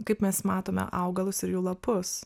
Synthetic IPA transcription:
kɐɪpmʲɛsmɑːt̪oːmʲɛ̰ʔɐʊɡɐlˠʊsɪɾjuːlˠɐpʊs

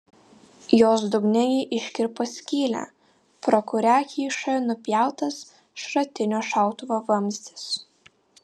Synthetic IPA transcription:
joːsd̪ʊɡnʲɛjɛʔɪʃʲkʲɪɾposʲkʲiːlʲæ̰ | pɾɔkʊɾʲækʲiːʃɐnʊpʲjæˑʊt̪ɐs | ʃɾɐt̪ʲɪnʲoːʃɑˑʊt̪ʊʋoʋɐmʲzʲd̪ʲɪ̥s

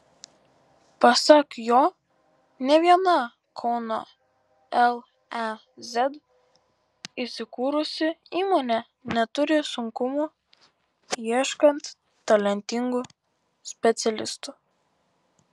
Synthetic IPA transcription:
pɐsɐkjoː | nʲɛʋʲiɛnɐ | kʰɔʊno̰ː | ɛlˠ | ɛ | zʲɛd̪ | isʲɪkuːɾʊsʲɪiːmoːnʲɛ | nʲɛt̪ʊɾʲɪsʊŋkʊmu | iɛʃkɐnt̪ | t̪ːɐlʲɛnʲt̪ʲɪŋɡʊˑ | sʲpʲɛt̪sʲɛlʲɪst̪ʊ

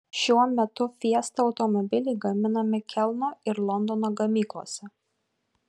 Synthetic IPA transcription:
ʃʲuɔmʲɛt̪ʊfʲiɛst̪ɐɒʊt̪ɔmɔbʲɪlʲɛɪɡɐmʲɪnɐmʲɪkʲʰɛlˠnoːɪɾlˠɔnd̪ɔnoːɡɐmʲiːklˠo̰ɔsʲɛ

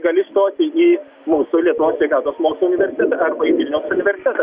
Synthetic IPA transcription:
ɡɐlʲɪst̪oːt̪ʲɪiː | muːsʊlʲiɛt̪ʊʋoːsʋʲɛɪkɑːt̪oːsmoːkslˠoʊnʲɪʋʲɛɾʲsʲɪ̥t̪ʲɛt̪ɐɐɾbɐiʋʲɪlʲnʲɛʊsʊnʲɪʋʲɛɾʲsʲɪ̥t̪ʲɛt̪ɐ

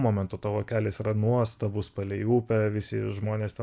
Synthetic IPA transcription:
moːmʲɛnt̪ʊːt̪ɐʋoːkʲæːlʲeːsirɐnuɔst̪ɐbʊspɐlʲɛjuːpʲɛʋʲɪsʲɪʒmoːnʲeːst̪ʲɛ

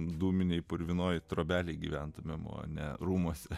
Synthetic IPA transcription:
d̪uːmʲɪnʲɛɪpʊɾʲʋʲɪnoːjt̪ɾoːbʲæːlʲɛɪɡʲiʋʲænt̪ʊmʲɛmo̰ːnʲɛɾuːmuɔsʲɛ

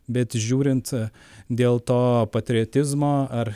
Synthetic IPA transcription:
bʲɛt̪ʒʲuːɾʲɪnt̪ | d̪ʲeːlˠt̪oːpɐt̪ʲɾʲɪoːt̪ʲɪzmoːɐɾ

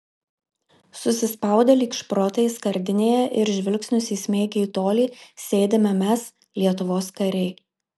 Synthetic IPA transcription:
sʊsʲɪspɐˑʊd̪ʲɛlʲiːkʃpɾoːt̪ɐɪskɐɾʲd̪ʲɪnʲeːjɛʔɪɾʒʲʋʲɪlʲksʲnʲʊsʲiːsʲmʲeːɡʲɛːt̪oːlʲiːsʲeːd̪ʲemʲɛmʲɛs | lʲiɛt̪ʊʋoːskɐɾʲɛɪ

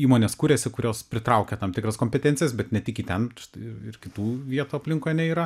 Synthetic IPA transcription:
iːmoːnʲeːskuːɾʲeːsʲɪkʊɾʲoːspʲɾʲɪt̪ɾɐʊkʲɛt̪ɐmt̪ʲɪkɾɐskoːmʲpʲɛt̪ʲɛːnʲtt͡sʲɪjɛsbʲɛt̪nʲɛt̪ʲɪkʲiːt̪ʲɛnʃɪ̥t̪ɐɪɪɪɾkʲɪt̪uːʋʲiɛt̪uːɐpʲlʲɪŋkoːjɛnʲɛiːɾɐ

